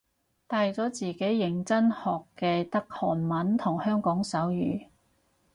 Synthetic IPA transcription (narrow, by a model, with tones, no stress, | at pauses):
t̪aː˨˧jt͡sɔː˨˥t͡siː˨ke˨˥jːɪ˨˩ŋt͡sɐ˥nhɔː˨kːɛː˧t̪ɐ˥k̚hɔ̰ː˨˩nmɐ˨˥nt̪ʰʊ˨˩ŋhœː˥ŋkɔː˨˥ŋsɐ˨˥wjyː˨˩